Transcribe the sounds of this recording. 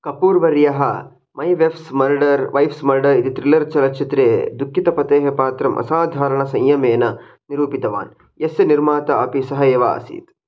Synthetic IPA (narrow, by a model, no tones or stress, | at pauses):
kɐpuːɾʋɐɾjɐɦɐ | mɐjʋefsmɐɾɖɐɾʋɐjfsmɐɾɖɐɾit̪it̪ɾilɐɾt͡ʃɐlɐt͡ʃʰit̪ɾeːd̪ukʰːit̪ɐpɐt̪eːɦepaːt̪ɾɐmʔɐ̰saːd̪ʱaːɾɐɳɐsɐ̃ŋjɐmeːnɐ | niɾuːpit̪ɐʋa̰ːn | jesɐniɾmaːt̪ɐɐpisɐɦɐjɐʋa̰ːɐ̰sḭːt̪